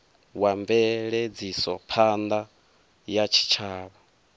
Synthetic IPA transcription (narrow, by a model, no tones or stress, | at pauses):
wamvɛɺɛd͡zisɔpʰand̪a | jat͡ʃʰi̥t͡ʃʰaːβa